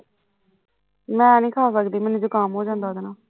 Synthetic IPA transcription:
mɛ̃ːnĩːkʰaːsəkd̪iːmɛ̃ːnũːd͡ʒoːkaːmɦoːd͡ʒãːnd̪aːd̪naː

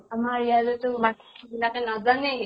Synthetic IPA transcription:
amaɹijazetʊbakʰi̥ibilakɛnazanɛ

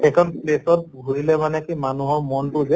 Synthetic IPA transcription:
ɛkʰɔnplesɔt̚ɡʱuɹilɛmanɛkimanuɦɔɹmɔntʊzɛ

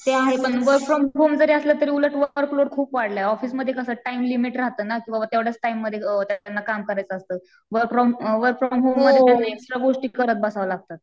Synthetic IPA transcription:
t̪eaɦepəɳʋəɾkfɾɔmɦomd͡zəɾeəsləːt̪əɾiːuləʈʋəɾkloɽkʰuːpʋaɽləɦeɔfiːsməd̪ʱjekəsəːʈaimlimiʈɾaɦt̪əːnakĩw̃ʋaʋat̪jaʋɽjat͡sʈaimːəd̪ʱjet̪janːakamkəɾajt͡səːst̪əː | ʋəɾkfɾɔmʋəɾkfɾɔmɦomːəd̪ʱːanajeksʈɾaɡoʂʈiːkəɾət̪̚bəsaʋəlaɡ̚t̪at̪̚

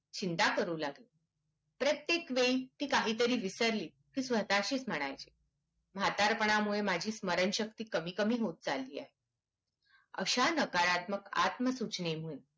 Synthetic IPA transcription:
t͡ɕint̪akəɾuːlaɡli | pɾət̪jekʋejt̪iːkaɦiːt̪əɾiːʋisəɾliː | kiːsʋət̪aɕiːsm̤əɽ̃ajt͡ɕi | m̤at̪aɾpəɳ̃amuɭemad͡ʑʱiːsməɾənɕək̚t̪iːkəmiːkəmiːɦot̪̚t͡salːiːa̰ɦe | ə̰ɕanəkaɾat̪məka̰t̪məsut͡ɕnem̤uːn

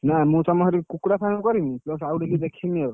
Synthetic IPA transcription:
namũt̪ɔmɔɦɾikukɽapʰankɔɾimiplɔsawɖiɡid̪ekʰimɔ

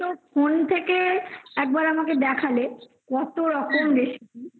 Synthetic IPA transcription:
ofont̪ʰekeɛk̚baɾamaked̪ɛkʰale | kɔt̪oɾɔkomd̪eʃi

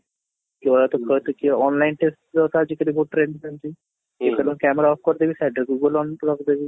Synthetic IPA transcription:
koːɾat̪õkət̪okiɔːnlaːɪnʈesʈd̪osaːd͡ʒɪkɾĩːboːʈːɾeːnɖsɛnd͡ʒiː | kɪpɛːlõːkɛːmɾaɔːp̚kəɾd̪eːʋiːsɛːɖəɡuːɡəlɔ̃ːnɾəkd̪eːʋiː

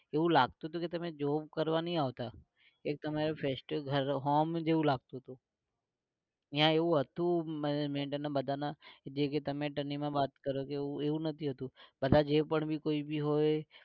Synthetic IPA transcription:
eʋũlaɡ̚t̪uɦət̪̬ũket̪əmẽd͡ʒobkəɾʋanəɦĩaʋt̪a | ek̚t̪əmaɾefʰesʈɡʱəɾɦomd͡ʒeʋũlaɡ̚t̪oɦt̪ũ | iɦãeʋũɦət̪ũmɛned͡ʒmẽʈənabəd̪ʱanad͡ʒeket̪əmẽʈənimãbat̪kəɾokeũeũnət̪ʰiɦət̪ũbəd̪ʱad͡ʒepəɳbʱikoibʱiɦoje

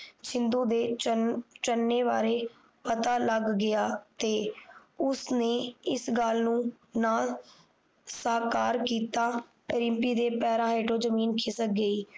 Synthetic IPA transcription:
t͡ʃʰɪnd̪õːd̪eː | t͡ʃənːeːʋaːɾeː | pət̪aːləɡːɪaːt̪eːʊsneːɪsɡaːlnũː | naː | saːkaːɾkiːt̪aː | ɾɪmpiːd̪eːpɛːɾãːɦeːʈoːd͡ʒəmiːnkʰɪsək̚ɡəiː

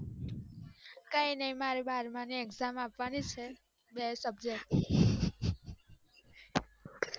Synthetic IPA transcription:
kainəĩmaɾebaɾmanieɡzamapʋanit͡ʃʰe | besəbd͡ʒe

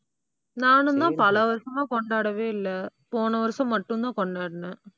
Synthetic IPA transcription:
naːnɯnd̪ãːpɐlɐʋɐɾsɐmaːkɔɳɖaːɽɐʋeːɪlːɐpoːnɐʋɐɾɐsɐ̃mːɐʈːɯ̃nd̪ãːkɔɳɖaːɽɐnɛ

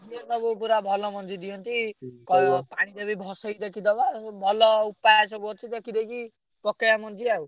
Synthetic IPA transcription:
d͡ʒiɔt̪ɔbupuɾabʱɔlɔmɔnd͡ʒid̪ijɔnt̪ikɔjpaɽ̃id̪ɔbibʱɔsɔjd̪ekʰid̪ɔbabʱɔlɔupajasɔbuɔt͡ʃ̪id̪ɔkʰid̪eki | pɔkejamɔnd͡ʒiau

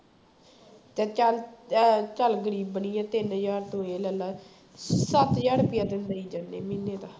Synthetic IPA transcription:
t̪ẽːal | t͡ʃəlɡəɾiːbːəniːɛ̃ːt̪ɪnjaːɾt̪õːeːlɛːlaː | sət̪jaːɽpɪjaːd̪ɪnd̪aːiːd͡ʒaːnːḛːminːeːt̪aː

